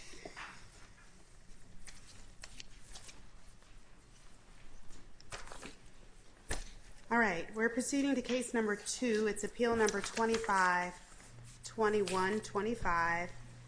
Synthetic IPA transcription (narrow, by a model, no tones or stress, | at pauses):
ɑlˠɹaɪt̚wɪɹpʰɹ̥ɨsiɾɪ̃ŋtɨkʰeɪsnʌ̃mbə˞tʰʉɨtsɨpʰilˠnʌ̃mbə˞tʰw̥ɛ̃ɾ̃ifaɪv̥ | tʰw̥ɛ̃ɾ̃iwʌ̃ntʰw̥ɛ̃ɾ̃ifaɪv̥